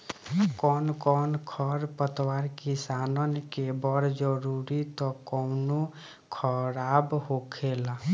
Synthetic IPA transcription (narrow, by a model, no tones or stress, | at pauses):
kɔnkɔnkʰɔɾpət̪waɾkisanənkebɔɾd͡ʒəɾuɾit̪ɔkɔwno | kʰɔɾabɦokʰela